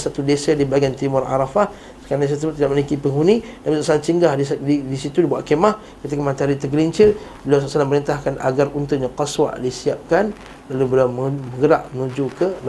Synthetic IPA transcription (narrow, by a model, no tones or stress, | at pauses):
sat̪udesadibaɡiant̪imʊra̰ɾafah | sə̥kaɾandes̬at̪əsəbʊt̪ːidaʔməlikipəŋunidapisoʔsalant͡ʃəŋɡahdiidisit̪udibuaʔ̪̚kemah | kət̪ikamant̪aɾit̪əɡəliɲt͡ʃɪlbəlasaʔsalaməɾint̪ahkana̰ɡarunt̪uɲaqaswa̰ʔdisiap̚kan | lalubəlaməməŋɡəɾaʔənud͡ʒukəl